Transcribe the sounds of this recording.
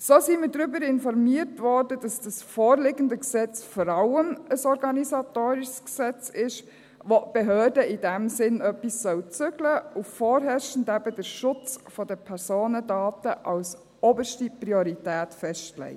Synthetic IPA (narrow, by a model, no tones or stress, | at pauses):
soːsimədɾʏbəɾɪnfɔɾmiəɾtʋɔɾdəd̥ɑsd̥əsfɔːɾlɪɡəndəksɛt͡sfɔɾɑʊənəsɔɾɡɑnisɑtoːɾiʃsksɛt͡sɪʃ | ʋob̥eɦøːɾdəɪdæmsɪnœpːisːœwt͡sʏɡləufɔːɾɦɛʃn̩dæbədəɾʃʊt͡sfɔdəpʰɛɾsoːnədɑːtəʔɑws | ɔbəʃtipɾiɔɾitæːtfɛʃtlɛ̰ɪ